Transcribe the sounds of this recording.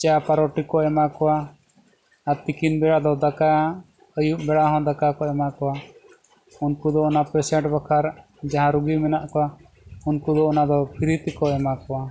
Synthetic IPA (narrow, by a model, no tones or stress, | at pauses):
t͡ʃapaɾɔʈikɔɛmakɔwaː | ɾt̪ikinbɛɽad̪ɔd̪aka | əjuʔbɛɽaɦɔ̃d̪akakɔɛmakɔwa | unkud̪ɔɔnapɛsɛɳʈbakʰaɾ | d͡ʒaɦãɾuɡimɛnaʔkɔwa | unkud̪ɔɔnad̪ɔpʰiɾit̪ɛkɔɛmakɔwa